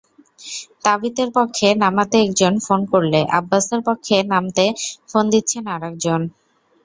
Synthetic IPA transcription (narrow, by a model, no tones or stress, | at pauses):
t̪abit̪eɾpɔkʰːenamat̪eɛk̚d͡ʑonfonkoɾleʔabːaseɾpokʰːenamt̪efond̪itːɕʰenaɾɛk̚d͡ʑon